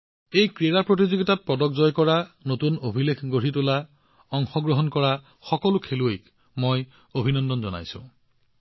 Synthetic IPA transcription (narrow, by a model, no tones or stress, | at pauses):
ejkɹeɹapɹot̬izoɡitat̚pɔdɔk̚zɔjkɔɹanotunobʱilekʰɡoɹitula | ɔŋxɔɡɹɔɦɔnkɔɹa | xɔkɔlukʰeluejk | moj | obʱinɔndɔnzɔna̰jsṵ̃